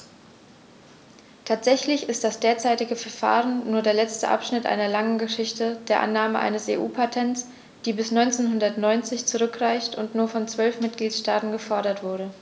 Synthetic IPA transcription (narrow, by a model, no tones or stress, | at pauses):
tʰaːtz̥ɛçlɪçɪst̚d̥asd̥eːɐt͡saɪtɪɡəfɛɐfa̰ːʁənːuːɐdeːɐlɛt͡stə̰ʔa̰pʃnɪtʔa̰ɪnɐlaŋənɡəʃɪçtəd̥eːɐʔa̰nːaːməʔa̰ɪnəsḛːʔuːpʰatʰɛnts | d̥iːbɪsnɔʏnt͡seːnɦʊndɐtnɔʏnt͡sɪçt͡suʁʏkʁ̥aɪçtʊntnuːɐfɔnt͡sv̥œlfmɪt̚ɡ̥liːtʃtaːtn̩ɡəfɔɐɾɐtv̥ʊɐɾə